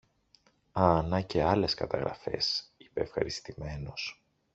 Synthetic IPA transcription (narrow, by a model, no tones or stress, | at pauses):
ɐnɐce̞ɐle̞skɐt̪ɐɣɾɐ̰fe̞̰si̥pe̞ːfxɐ̰ɾist̪ime̞no̞s